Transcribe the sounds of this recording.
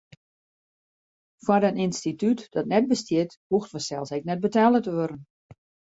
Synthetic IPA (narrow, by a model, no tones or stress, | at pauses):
fwadəninstitytd̥ɔtnɛt̚bəstjɪt | huxtʋəsɛlˠsɛk̚nɛt̚bətaːlˠətəʋøɾən̩